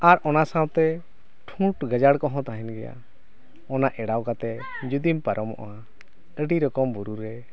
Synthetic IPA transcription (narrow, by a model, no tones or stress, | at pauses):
aɾʔɔnasãwt̪ɛ | ʈʰũʈɡəd͡ʒaɽkɔɦɔ̃t̪aɦɛnɡɛja̰ | ɔnaʔɛɽawkat̪ɛ | d͡ʒud̪impaɾʔɔmɔ̰ʔa | əɖiɾɔkɔmbuɾuɾɛ